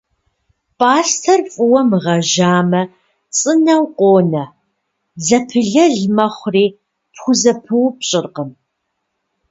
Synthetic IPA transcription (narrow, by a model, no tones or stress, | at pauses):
pʰʼaːstʰɐrfʼɨwɐmʁɐʒaːmɐ | t͡sʼɨnɐwqʷʼoːnɐ | zɐpʰɨɮɐɮmɐχʷriː | pχʷʊzɐpʰɨwpɕʼɪrqən